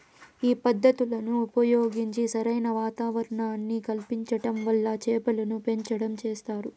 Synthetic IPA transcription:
iːpɐd̪ːɐt̪ulɐnuːpɐjo̞ːɡiɲt͡ʃisɐɾɐjnɐʋaːt̪aːʋɐɾɐɳaːnːikɐlpiɲt͡ʃɐʈɐmʋɐlːɐt͡ʃɛːpɐlɐnupe̞ɲt͡ʃɐɽɐmt͡ʃeːst̪aːɾu

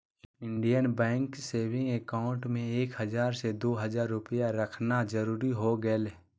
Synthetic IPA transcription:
ɪ̃ɳɖijənbɛ̃ːŋkseːʋɪ̃ŋɡekaːʊ̃ɳʈmẽeːkɦɐzaːɾsed̪oːɦɐzaːɾːʊpəjaɾɐkʰnad͡ʒɐɾuːɾiɦoɡəl

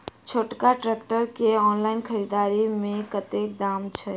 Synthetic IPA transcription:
t͡ʃʰoʈkaʈɾekʈəɾkeɔnlainkʰəɾid̪aɾimekət̪ek̚d̪amt͡ʃʰɛ

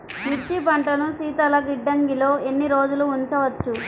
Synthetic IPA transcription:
miɾt͡ʃipɐɳʈɐnusiːt̪ɐlɐɡiɖːɐŋɡilo̞ːenːiɾo̞ːd͡ʒuluːɲt͡ʃɐʋɐt͡ʃːu

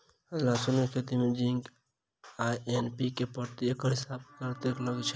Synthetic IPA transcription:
əd͡ʒlasunekʰet̪imed͡ʒiŋɡ | ajenpikepəɾt̪iekəɦisab̚kəɾt̪ekləɡt͡ʃʰ

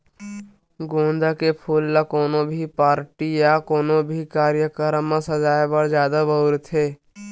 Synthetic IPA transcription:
ɡõːnd̪akepʰuːlːakoːnõbʱipaːɾʈijakoːnõbʱikaːɾjəkəɾmãsəd͡ʒaːjbəɾd͡ʒjaːd̪abɐɾt̪ʰɦeː

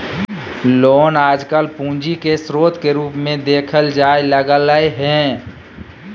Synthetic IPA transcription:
loːnaːd͡ʒkəlpũːd͡ʒikesɾoːt̪keɾuːpmẽd̪eːkʰəld͡ʒaːjləɡələeɦɛ̃ː

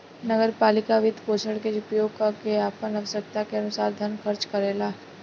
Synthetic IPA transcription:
nɐɡəɾpaːlɪkaʋɪd̪koːʃəɽked͡ʒʊpijoɡkakeaːpənɐʋəsək̚t̪akeɐnʊsaːɾd̪ʱənxʰɐɾt͡ʃkɐɾeːlaː

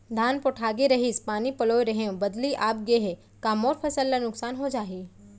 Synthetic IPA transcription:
d̪ʱaːnpoʈʰaːɡeɾɐɦispaːnipɐloːeɾɐɦeõbɐd̪liʔaːpɡeɦe | kaːmoːɾpʰɐsəlːanʊksaːnɦod͡ʒaːɦiː

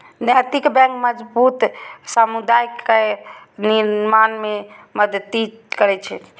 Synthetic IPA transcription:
nat̪ikbɛ̃ŋkməd͡ʒbut̪samud̪ajkːe | niɾmanmeməd̪əd̪i | kəɾɛt͡ʃʰɛ̰

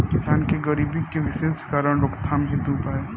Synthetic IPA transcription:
kɪsaːnkeɡɐɾiːbikeʋɪʃeːskaːɾəɽ̃ɾokt̪ʰaːmɦɪ̃d̪upaː

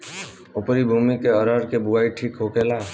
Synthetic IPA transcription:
ʊpɾibʱuːmikeəɾəːɾkebuaːiʈʰiːkɦoːkeːlaː

